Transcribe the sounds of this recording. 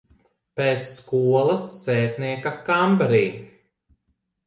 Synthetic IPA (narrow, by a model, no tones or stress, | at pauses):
peːt̪skuɔlˠɐsːeːt̪niɛkakambaɾiː